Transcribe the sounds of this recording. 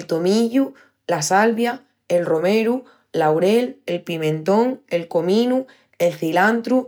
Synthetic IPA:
lt̪omiʎu | lasalβja | e̞lro̞meɾu | lawɾe̞lelpimẽ̞nt̪õ̞ŋe̞lko̞mĩnu | e̞lθilant̪ɾu

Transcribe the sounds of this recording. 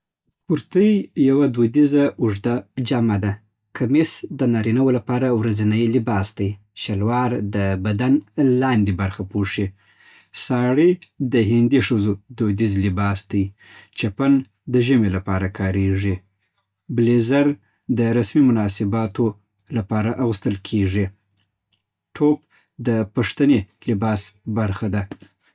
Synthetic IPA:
kʊɾt̪əjjawad̪od̪izaʊʐd̪ad͡ʒamad̪a | kʰamisd̪ənɑɾinawolapɑɾawɾazinəjlɪbɑsd̪aj | ʃalwɑɾd̪əbad̪anlɑnd̪ibaɾxapoʂi | sɑɽid̪əɦɪnd̪iʂəzod̪od̪izlɪbɑsd̪aj | t͡ʃapan | d̪əʒəmelapɑɾakʰɑɾeʐi | blezaɾ | d̪əɾasmimʊnɑsɪbɑt̪o | lapɑɾaʔaɣust̪əlkʰeʐi | ʈʰop̚ | d̪əpaʂt̪anelɪbɑsbaɾxad̪a

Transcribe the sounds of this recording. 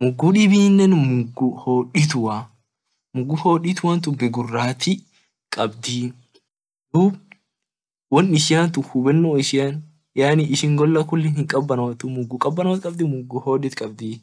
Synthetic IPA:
mʊɡːuːᶑɪbiːnːɛnmʊɡuhoːᶑɪt̪ʊwa | mʊɡːuhoːᶑɪt̪ʊwant̪̬ʊbɪɡʊrːaːt̪ɪ | kʼɐbd̪iː | d̪̥uːb | wɐnːɪʃɪjant̪ʊhʊbɛnːoːɪʃɪjan | jaːnɪɪʃɪŋɡɔlːɐkʊlːɛnhɪŋkʼɐbːɐnɐwɐt̪ʊmʊɡːukʼɐbːɐnɐwɐt̪kʼɐbd̪ɪmʊɡːuhoːᶑɪt̪kʼɐb̚d̪iː

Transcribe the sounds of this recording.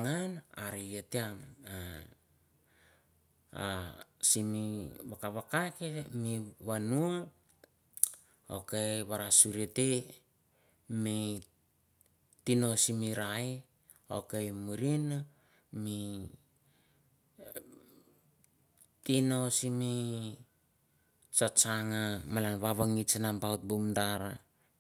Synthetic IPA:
ŋana̰ɾijeteama | a̰simiβakaβakakemiβanua | o̰keβaɾasuɾite | mi | tino̞simiɾaj | o̰kejmuɾina | mi | tinosimi | sot͡ʃaŋamalanβaβaŋit͡ʃanampaut̚bumdaɾa

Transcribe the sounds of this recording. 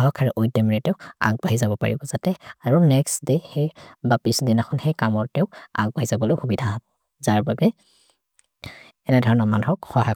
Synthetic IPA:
ɦɔkʰaɹɛʔojdɔmiɹɛtɛʊa̰ɡ̚baɦizabɔpa̰ɹḭbɔzatɛaɹunɛksdehejbapisdinakʰɔnxejkamɔɹtɛʊa̰ɡ̚baɦizabɔlojxubidʱabɔ | zaɹbabɛ | ɛnɛdʱɔɹɔnɔmanɦɔkxɔɦaj

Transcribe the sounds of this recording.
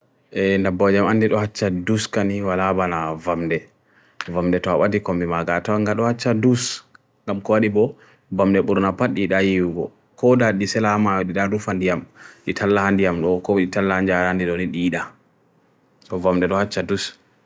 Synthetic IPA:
ʔɛndabɔd͡ʒamandiɗɔhat͡ʃːaduskaniwalabanavamdɛ | vamdɛtɔaɓadikɔmimaɡatawaŋɡaɗɔhat͡ʃːadus | ŋɡamkɔwaɗibɔ | bamdɛɓuɾnapaɗiɗajiwɡɔ̰ | kɔdaɗisɛlamaɗiɗadufandijamɗitʰalːahandijamɗɔkɔɗitalːahaɲd͡ʒaandiɗɔniɗiːɗa | sɔvamdɛɗɔhat͡ʃːadus

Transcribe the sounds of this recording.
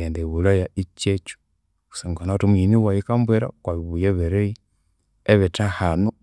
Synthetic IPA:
endeβulajait͡ʃet͡ʃu̥ | u̥seŋɡanatumwiniwajikambweɾa̰kwaβiβujeβeɾei | eβetahano

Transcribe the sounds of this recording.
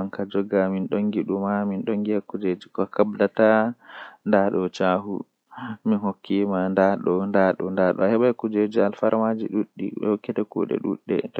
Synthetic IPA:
aŋkad͡ʒɔɡaminɗoŋɡiɗumaminɗoŋɡiakːud͡ʒed͡ʒikɔkabdata | ndaɗɔt͡ʃahṵ | minhokʰːimandaɗɔndaɗɔ̰ndaɗɔ̰ahɛɓajkud͡ʒed͡ʒialfaɾmad͡ʒḭɗuɗːḭhokːɛtakṵɗɛ̰ɗṵɗːɛ̰t

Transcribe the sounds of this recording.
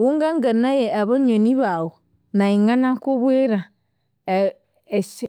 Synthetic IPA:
wuŋɡaŋɡanajeaβaɲoniβawo | naiŋanakoβueɾa | es

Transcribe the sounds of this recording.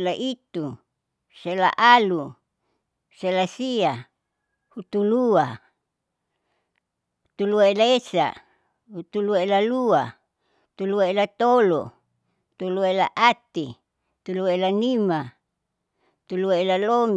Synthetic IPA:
laʔit̪u | sela̰ʔalu | selasia | hut̪ulua | ut̪uluaelaesa̰ | hut̪uluaelalua | hut̪uluaelat̪olo̰ | ut̪uluaela̰ʔat̪i | t̪uluaelanima | ut̪uluaelalom

